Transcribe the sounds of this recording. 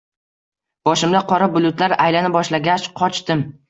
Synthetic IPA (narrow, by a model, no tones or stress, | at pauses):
b̥ɒʃɪmd̪aqʰɒɾabʊlˠʊt̪laɾajlanɪbɒʃlaɡʲat͡ʃqʰɒt͡ʃt̪ɪm